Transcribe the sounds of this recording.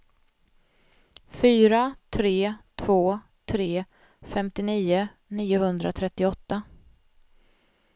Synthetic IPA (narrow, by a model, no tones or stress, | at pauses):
fyːɾat̪ʰɾeːt̪ʰv̥oː | t̪ʰɾeː | fɛmt̪ɪniːʊ | niːʊhɵnd̪ɾat̪ʰɾɛt̪ːɪɔt̪ːa